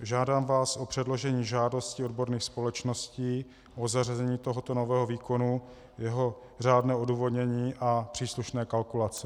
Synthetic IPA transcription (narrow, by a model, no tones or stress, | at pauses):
ʒaːdaːmvaːsʔopr̥ɛdlo̞ʒɛɲiːʒaːdo̞scɪodbo̞ɾniːxspo̞lɛt͡ʃno̞sciː | ʔozarazɛɲiːt̪o̞ɦot̪onovɛːɦoviːko̞nu | jɛɦo̞ | r̝aːdnɛːʔo̞duːvodɲɛɲiːʔapr̝̥iːsluʃnɛːkalkulat͡sɛ